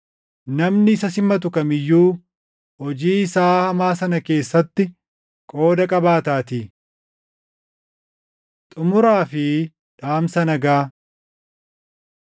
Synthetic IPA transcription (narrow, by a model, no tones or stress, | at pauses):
nɐmnɪɪsɐsɪmɐt̪̬ʊkɐmɪjːuː | hɔd͡ʒiːɪsaːhɐmaːsɐnɐke̞ːsːɐt̪ːɪ | kʼo̞ːd̪ɐkʼɐbaːt̪aːt̪i | t̪ʼʊmʊɾaːfɪ | ᶑaːmsɐnɐɡaː